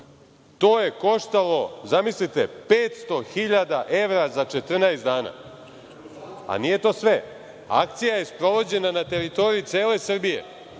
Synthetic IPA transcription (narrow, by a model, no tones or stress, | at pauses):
t̪oːje̞ko̞ʂt̪alo̞zamislit̪epeːt̪st̪o̞xiʎad̪aʔe̞ʋɾazat͡ʃet̪r̩naesd̪aːna̰ | a̰nije̞t̪o̞ːsʋe | a̰k̚t̪sijajespɾo̞ʋo̞d͡ʑe̞nanat̪e̞ɾit̪o̞ɾijit̪sʲieːle̞sr̩bije̞̰